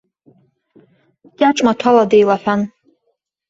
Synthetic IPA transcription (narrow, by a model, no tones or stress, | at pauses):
tʲʼaʈ͡ʂʼmatʰaladejlaħʷᶣan